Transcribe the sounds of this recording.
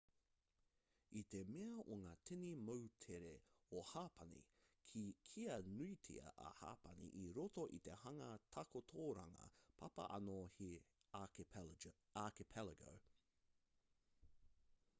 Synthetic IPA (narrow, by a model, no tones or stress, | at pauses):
it̪emeɐʔoŋaːt̪ʰenimɐwtʰeɾeohaːpʰɐnḭkʰikʰiɐnuitʰḭɐ̰ʔɐ̰ha̰ːpɐnḭʔiɾot̪oʔit̪ehɐŋɐt̪ʰɐkot̪ʰoːɾɐ̰ŋɐ̰pʰɐpɐ̰ʔɐ̰nohi | akipʰɛlɐɡo̰